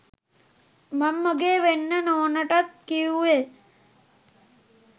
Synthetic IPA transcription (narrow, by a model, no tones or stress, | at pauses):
mɐmːəɡeːʋenːənoːnəʈɐt̪̚kijue